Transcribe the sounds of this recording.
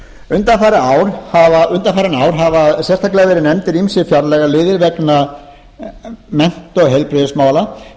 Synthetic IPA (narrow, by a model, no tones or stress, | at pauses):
ʏnt̪afaɾɪaːwɾ̥havaʏnt̪afaːɾɪnaːwɾ̥ɦavasjɛst̪ʰaklɛɣavɛːɾɪnɛmt̪ɪɾimsɪfjaɾlɛɣalɪːðɪɾvɛkna | mɛn̥t̪ɔɣɦejlpɾɪðʏsmaːwla